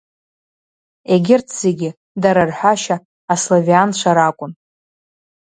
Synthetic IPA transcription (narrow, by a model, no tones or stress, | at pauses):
eɡʲɪrtʰz̥eɡʲɪ | daɾarħʷaʃaː | sloviant͡ʃʷʰaɾakʷʼʊn